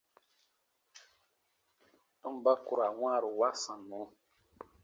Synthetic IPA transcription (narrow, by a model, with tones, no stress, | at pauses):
ɔ̃˦m˨ba˦ku˨ɾa˨wã˦˨ɾu˨wa˦sã˨nũ˨˦